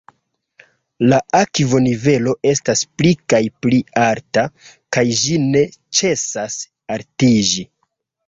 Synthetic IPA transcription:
laʔakivo̞nive̞lo̞ʔe̞stasplikajpliaɾta | kajd͡ʒine̞t͡ʃe̞sas | aɾtid͡ʒi

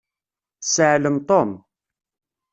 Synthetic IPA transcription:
səʕləmt̪ˤom

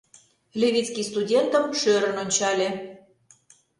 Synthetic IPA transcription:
lʲeβʲit͡skist̪udʲent̪əmʃøɾə̆nonʲt͡ɕɑlʲe

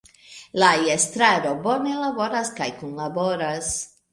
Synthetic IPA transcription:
lajest̪ɾaɾobonelabo̞ɾaskajkunlaboɾas

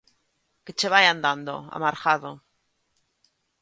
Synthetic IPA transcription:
ket͡ʃeβajand̪and̪o̰a̰maɾxaðo

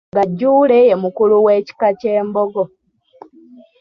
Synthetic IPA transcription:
ŋɡaɟːuːleje̞mukuluwe̞ːci̥kace̞ːmboɡo̞

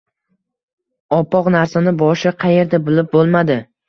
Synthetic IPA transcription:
ɒpːɒqnaɾsanɪbɒʃɪqʰɑje̞ɾd̪abʊlɪp̚bolˠmad̪ɪ

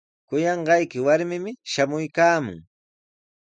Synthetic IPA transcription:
kʊjɑɴɢɑjkɪwaɾmɪmɪʃamʊjkaːmʊ̰ŋ

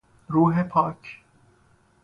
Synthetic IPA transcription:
ɾuːɦepʰaːk

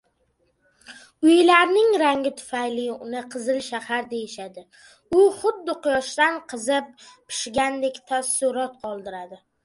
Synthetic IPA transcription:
ʊjlaɾnɪŋɾaŋɡʲɪt̪ʰʊ̥fajlɪʊnɪqʰɨzɪlʃahaɾd̪e̞jɪʃad̪ɪ | ʊχʊd̪ːɪqʊjɒʃt̪anqʰɨzɪp̚pʰɪ̥ʃɡʲand̪e̞kʲt̪ʰasʊɾɒt̪̚qʰɒlˠd̪ɪɾad̪ɪ

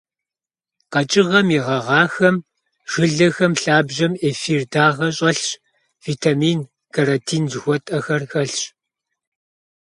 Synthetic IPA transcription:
qɐt͡ʃʼɪʁɐmiʁɐʁɑːxɐm | ʒ̥ɨɮɐxɐmɬaːbʒɐmeːfiːrdʰaːʁɐɕʼɐɬɕ | viːtʰamiːn | kʰaɾatʰiːnzxʷɔtʼɐxɐrxɐɬɕ

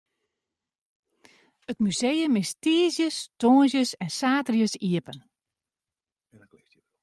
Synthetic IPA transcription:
ətmyzejəmɪstiːəzjəstoːnsjəsɛnsaːtərjəsiəpən

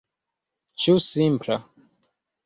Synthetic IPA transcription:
t͡ʃusimpʰla

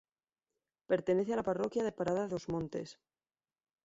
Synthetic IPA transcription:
pe̞ɾt̪e̞ne̞θealaparo̞kjaðepaɾaðaozmõnt̪e̞̰s

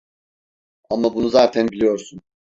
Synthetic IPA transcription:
amabunuzaːt̪ʰænbilʲijo̞ɾsun

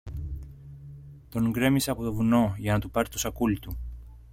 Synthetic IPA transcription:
t̪o̞ŋɡɾe̞miseɐːpo̞t̪o̞vuno̞ʝɐnɐt̪upɐɾt̪osɐkult̪u

